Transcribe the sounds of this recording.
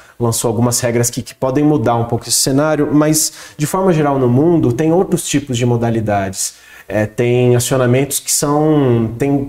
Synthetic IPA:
lɐ̃sowawɡũmɐshɛɡɾɐskɪkɪ̥pɔd̪ẽj̃mud̪aɾũpowkʊesɪ̥senaɾjʊmɐzd͡ʒɪfɔɾmɐʒeɾawnʊmũd̪ʊt̪ẽj̃owt̪ɾʊst͡ʃipʊzd͡ʒɪmod̪alid̪ad͡ʒɪs | ɛt̪ẽj̃asionamẽnt̪ʊ̥skɪ̥sɐ̃w̃t̪ẽj̃

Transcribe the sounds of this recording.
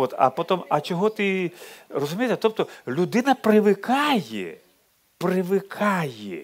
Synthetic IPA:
ɔt̪ɐ̰poɔt̪ɔmɐt͡ʃɔɦɔt̪ɪrɔzʊmʲijet̪ɛt̪ɔp̚t̪ɔlʲud̪ɪnɐpɾɪʋɪkʰɑjɛ̰ | pɾɪʋɪkʰɑjɛ

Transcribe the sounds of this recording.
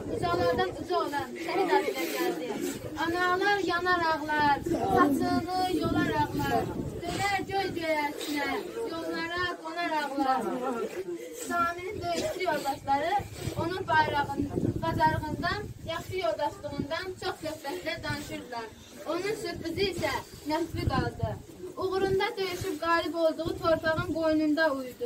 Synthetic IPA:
uzɑʁlˠɑɾd̪ɑd̪uzoʁlˠɑsɛɾid̪ɑɾilɛɡʲæld̪ɪ | ɑnɑʁlˠɑɾjɑnɑɾɑʁlˠɑɾɑt͡ʃʰɯnˠɯjolˠɑɾɑʁlˠɑɾt̪ølɛɾd͡ʒʲøjd͡ʒøjɛsinɛjolˠːɑɾɑɡonɑɾɑʁlˠɑ | sɑːmɪnɪnɡ̪øjlɛt̪ijolˠd̪ɑʃlˠɑɾɯonɨŋpʰɑjɾɑʁnqʰɑzɑɾʁənd̪ɑnjɑχʃijolˠd̪ɑʃlˠəʁənd̪ɑnt͡ʃʰoχk̪økpɛt̪lɛd̪ɑnɨʃuɾd̪ɨlˠɑɾ | onɨŋsøpɪzɪisɛmɛspɪkʰɑlˠɨd̪ɨ | oʁʊɾund̪ɑt̪ʰøjɪʃyp̚ɡɑːlˠɪpolˠd̪ʊʁʊt̪ʰoɾp̪ɑʁɑnɡojnund̪ɑujd̪u

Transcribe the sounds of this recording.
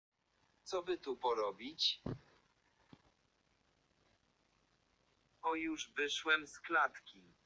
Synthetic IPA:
t̪sɔbɘt̪upɔɾɔbʲit͡ɕ | ɔjuʐvɘʂwɛmsklat̪kʲi

